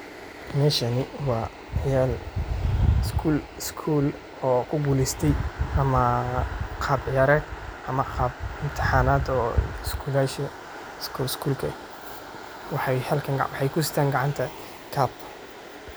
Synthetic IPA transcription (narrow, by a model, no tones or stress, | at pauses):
mɛːʃɐnɪwɑː | jaːl | ɪskʰuːlɪskʰuːl | ɔːkʰʊɡuːlɪst̪ʰɛjʔɐmɐ | qʰɑːbjɐɾɛʔɐmɐqɑːb̚ɪmt̪ʰɪ̥ħaːnaːd̪ɔːskʰuːlaːʃɐ | skʰuːlskʰuːlkʰɐ | wɑħɑjhɐlkʰɐŋɡwɑħɑjkʰʊsɪ̥t̪ʰaːŋɡɑʕɑnt̪ʰɐ | kʰaːb̚